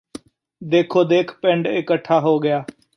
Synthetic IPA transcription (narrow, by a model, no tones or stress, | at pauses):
d̪eːkʰoːd̪eːkʰpɛɳɖɪkəʈʰːaːɦoːɡɪjaː